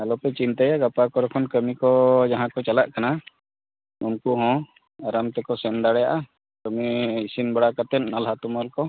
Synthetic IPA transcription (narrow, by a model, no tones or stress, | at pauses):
alɔpɛt͡ʃint̪ajaɡapakɔɾɔkʰɔnkəmikɔd͡ʒaɦãkɔt͡ʃalaʔkana | unkuɦɔ̃ | aɾamt̪ɛkɔsɛnd̪aɽɛja̰ʔa | kəmiːsinbəɽakat̪ɛt̪̚ˀnalɦat̪uməlkɔ